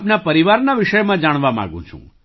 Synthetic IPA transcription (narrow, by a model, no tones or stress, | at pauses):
pnapəɾiʋaɾnaʋɪʃəjmãd͡ʒaɽ̃ʋamã̰ɡṵ̃t͡ʃʰṵ̃